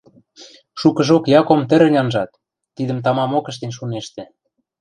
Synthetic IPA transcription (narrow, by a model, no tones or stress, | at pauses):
ʃukə̆ʒokjɑkomt̪ə̆ɾɘ̆nʲɑnʒɑt̪ː | id̪ə̆mt̪̬ɑmɑmokə̆ʃt̪enʲʃuneʃt̪ĕ